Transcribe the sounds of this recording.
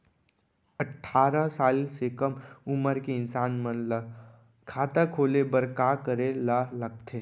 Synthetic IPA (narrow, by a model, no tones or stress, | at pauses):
əʈʰːaːɾəsaːlsekəmʊməɾkeɪnsaːnmənlə | kʰaːt̪akʰoːlebəɾkakəɾelaləɡ̚t̪ʰeː